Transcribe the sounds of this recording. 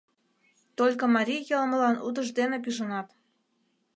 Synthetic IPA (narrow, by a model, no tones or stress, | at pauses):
t̪olʲkŏmɑɾʲijɤlmə̆lɑnʔṵd̪əʒd̪enepyʒənɑt̪